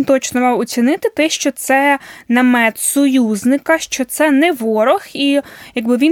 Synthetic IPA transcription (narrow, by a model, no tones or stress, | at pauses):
nt̪ɔt͡ʃnɔmɑwɔt͡sʲinɪt̪ɪt̪ɛʃt͡ʃɔt̪sɛnɐmɛt̪sɔjuznɪkɐʃt͡ʃɔt̪sɛnɛʋɔɾɔxijɐɡbɪʋʲi